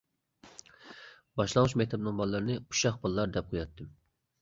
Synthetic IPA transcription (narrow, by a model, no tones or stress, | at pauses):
bɑʃlˠɑnuʃmɛk̚ʲt̪ʰɛbnɨŋbɑlˠːɨɾnɨu̥ʃɑχbɑlˠlˠɑɾd̪ɛp̚qʰojɑt̪ːɨm